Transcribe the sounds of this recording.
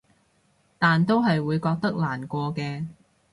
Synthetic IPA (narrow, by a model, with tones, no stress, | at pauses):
t̪aː˨nt̪o˥wɦɐ˨jwuː˨˧jkɔː˧k̚t̪ɐ˥k̚laː˨˩nkʷɔː˧kɛː˧